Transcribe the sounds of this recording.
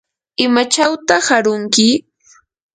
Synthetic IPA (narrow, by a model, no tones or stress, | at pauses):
ɪmat͡ʃawt̪ahaɾʊŋkɪ